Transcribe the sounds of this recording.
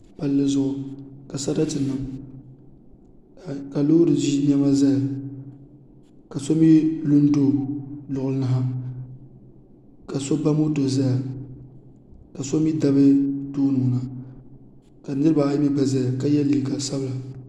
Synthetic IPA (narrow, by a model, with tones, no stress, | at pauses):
pa˨lːɨ˦zʊ˦ʔʊ˨ka˨sa˦da˦tɨ˨nɨ˦m˨ | ka˨loː˦ɾɨ˨zi˦ɲɛ˦ma˦za˦ja˨ | ka˨so˦mi˦lu˦n˦do˦˨lʊ˨ʔʊ˨lɨ˦nɨ˦ɦa˦ | ka˨so˦ba˦mo˦to˨za˦ja˨ | ka˨so˦mi˦da˦bɨ˦toː˦nɨ˨mʊ˨na˨ | ka˨˦nɨ˦ɾɨ˦ba˨˦mi˦ba˨za˦a˨ka˦jɛ˦lːi˨ŋ˨ka˨sa˦bɨ˦la˨